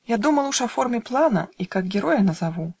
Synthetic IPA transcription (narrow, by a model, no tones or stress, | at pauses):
jad̪umɐlˠuʂɐfɔrmʲɛplˠanɐ̰ikaɡɡʲɛɾɔjɐnɐzavu